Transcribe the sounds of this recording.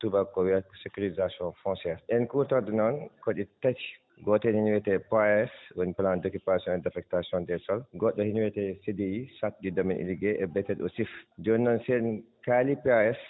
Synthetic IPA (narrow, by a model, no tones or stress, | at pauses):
tubakːɔwiɛksekuɾizasiɔnfɔ̃nsɛɾʔɛnkuɾtaɾdɛnɔnkɔɗitati̥ | ɡɔtɛnhiɲwɛtɛpaɛswoniplandokupasiɔnɛdafɛk̚tasiɔndɛsɔlɡɔɗːɔhiɲwɛtɛsidiisat̚ɗidɔminʔḭliɡɛʔɛbɛtɛɗɔ̰sifd͡ʒɔnːɔnsɛnkalipaɛs